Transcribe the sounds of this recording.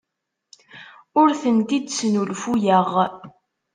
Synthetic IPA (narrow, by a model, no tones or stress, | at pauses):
ʊɾθənt̪id̪snulfujəʁ